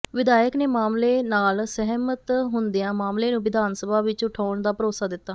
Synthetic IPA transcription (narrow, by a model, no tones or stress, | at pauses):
ʋɪd̪aːjəkneːmaːmleːnaːlsəɦmət̪ɦʊnd̪ijãːmaːmleːnũːʋɪd̪ʱaːnsəbaːʋɪt͡ʃʊʈʰaːɳd̪aːpəɾoːsaːd̪ɪt̪ːaː